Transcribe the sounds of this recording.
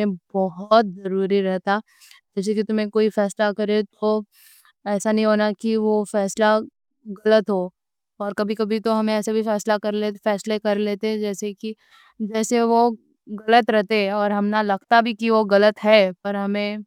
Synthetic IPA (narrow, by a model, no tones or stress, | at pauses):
ẽbɔɦʊt̪̚zɐɾuːɾiɾɛɦt̪a | d͡ʒɛːs̬ekit̪ʊmẽkoːifɛːslakɐɾet̪ʰo | ɛːsanɐɦĩɦoːnakiʋofɛːsla | ɣɐlət̪ɦoː | ɔːɾkɐbʱikɐbʱit̪oɦɐmẽɛːsebʱifɛːslakɐɾlefɛːslekɐɾleːt̪ẽd͡ʒɛːseki | d͡ʒɛːseʋo | ɣɐlət̪ɾɛɦt̪eɔːɾɦɐmnalɐɡ̚t̪abʱikiʋoɣɐlət̪ɦɛːpɐɾɦɐmẽː